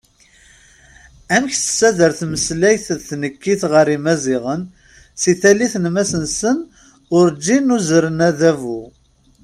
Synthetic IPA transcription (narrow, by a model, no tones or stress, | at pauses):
æmçθə̥sːæðəɾθməslæjθðθnəkːiθʁəɾimæziʁən | siθæliθnmæsənsən | ʊɾd͡ʒːinuzɾənæðævu